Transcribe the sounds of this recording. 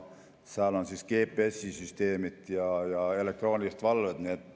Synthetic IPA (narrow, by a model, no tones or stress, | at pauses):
sæːlonsiskeːpːˑeesːisyst̪eːmit̪jɑjɑelek̚t̪roːnisst̪ʋɑlʋet̪net̪